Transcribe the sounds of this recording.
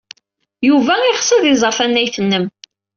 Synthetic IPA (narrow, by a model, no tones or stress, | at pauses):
juvæiʁsəðizˤəɾˤfænːæjθənːəm